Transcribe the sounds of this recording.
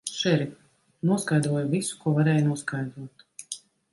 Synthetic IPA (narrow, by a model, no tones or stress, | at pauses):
ʃɛɾi | nuɔskajd̪ɾuɔjuvisu̥kuɔvaɾɛːjnuɔskajd̪ɾuɔt̪